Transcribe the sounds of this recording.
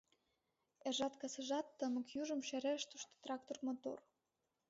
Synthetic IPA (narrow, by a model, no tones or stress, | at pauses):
eʒɑt̪kɑsɤ̆ʒɑt̪ːəmə̆kjuʒə̆mʃæɾeʃt̪uʃt̪o̥t̪rɑk̚t̪ormot̪o̰r